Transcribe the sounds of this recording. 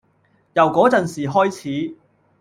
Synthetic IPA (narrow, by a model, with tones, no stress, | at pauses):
jɐ˨˩wkɔː˨˥t͡sɐ˨nsiː˨˩ɦɔː˥jt͡sʰiː˨˥